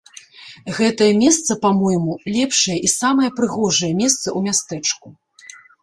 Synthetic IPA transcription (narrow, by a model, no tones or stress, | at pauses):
ɣɛt̪ɐjɐmʲɛst̪sɐpamɔjmulʲɛpʂɐjɐʔisamɐjɛpɾɨɣɔʐɐjɐmʲɛst̪sɐumʲast̪ɛt͡ʂku